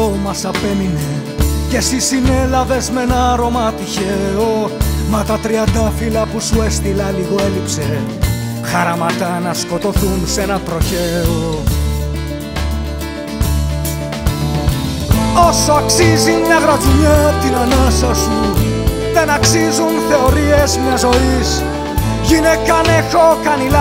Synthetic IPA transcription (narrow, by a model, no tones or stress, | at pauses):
omɐsɐpe̞mine | ce̞sisine̞lɐve̞zme̞nɐɐɾo̞mɐt̪içeomɐt̪ɐt̪ɾiɐnd̪ɐfilɐpusue̞st̪ilɐliɣo̞e̞lipse̞ | xɐɾɐmɐt̪ɐnɐsko̞t̪o̞θunse̞nɐt̪ɾo̞çe̞o | o̞so̞ɐksizimɲɐɣɾɐd͡zuʎɐt̪inɐnɐsɐsu | ðe̞nɐksizunθe̞o̞ɾiezmɲɐzo̞is | ʝinekɐnexokɐnilɐ